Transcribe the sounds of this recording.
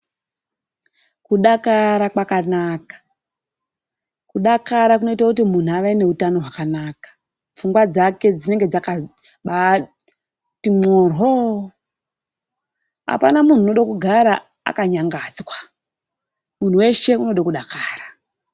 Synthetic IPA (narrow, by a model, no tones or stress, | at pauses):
kuɗakaɾakwakanakḁ | kuɗakaɾakuno̞itakutimun̤uaʋaine̞utano̞ɦwakanaːkḁ | p͡fuŋɡwad͡zake̞d͡zine̞ŋɡe̞d͡zaka | ɓa | timoːrɦo | a̰pa̰namun̤uːno̞ɗakuɡʱaɾa | a̰kaɲaŋɡaːd͡zwa | mun̤uwe̞ʃe̞uno̞ɗakuɗakaːra